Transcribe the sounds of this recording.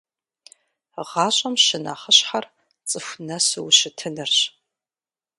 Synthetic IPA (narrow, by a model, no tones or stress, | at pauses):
ʁɑːɕʼɐmʃɪna̰ːχəɕħar | t͡sʼɨfʷnɐsɨwʃɪtʰɨnɨrɕ